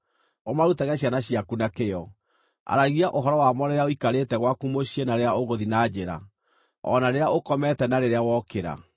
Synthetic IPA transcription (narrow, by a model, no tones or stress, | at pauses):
omaɾutaɣɛɕ̬janaɕiakunakejɔ | a̰ɾaɣiaʔoɦɔɾɔwamɔɾeɾeaoikaɾetɛɣwakumoɕienaɾeaoɣoðinad͡ʑeɾa̰ | ɔ̰naɾeaokɔmɛtɛnaɾeɾeawɔkeɾa̰